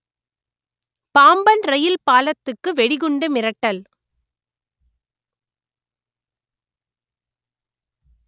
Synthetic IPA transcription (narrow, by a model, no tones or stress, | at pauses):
paːmbɐnɾɐjɪlpaːlɐt̪ːɯkːɯʋɛɽɪɣɯɳɖɯmɪɾɐʈːɐl